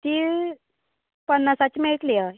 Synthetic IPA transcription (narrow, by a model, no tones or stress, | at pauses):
t̪iː | pənːasat͡ɕimeɭʈlia